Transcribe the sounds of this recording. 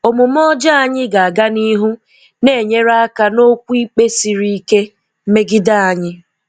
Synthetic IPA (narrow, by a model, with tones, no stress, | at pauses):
o˨mʊ˨m˦ɔ˦d͡ʒa˦a˦ɲɪ˦ɡa˨a˨ɡa˦ni˦ɦu˦ | ne˦˨ɲe˦ɾa˦a˦ka˦no˦kʷu˦i˦k͡pe˦si˨ɾi˦i˦ke˦ | m̩˦me˦ɡɪ˦da˦a˨ɲɪ˦